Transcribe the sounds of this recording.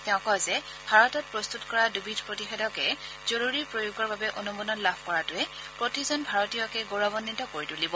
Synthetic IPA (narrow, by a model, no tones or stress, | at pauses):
tɛʊ̃kɔzɛ | bʱaɹɔtɔt̚pɹost̪utkɔɹadubʱidʰʱpɹotixɛdɔkɛ | z̥oɹuɹipɹojuɡɔɹbabɛʔonumunɔnlabʰʱkɔɹatʊɛ | pɹotizɔnbʱaɹɔtijɔkɛɡoɹabɔnːitɔkoɹitulibɔ